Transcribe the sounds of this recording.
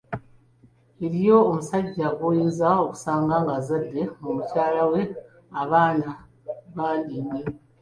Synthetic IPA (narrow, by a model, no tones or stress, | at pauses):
eɾijo̞ːmusaɟːaɡujizao̞ku̥saːŋɡaːŋɡazadːe̞mumucaːlawe̞ | aβaːna | βaːndime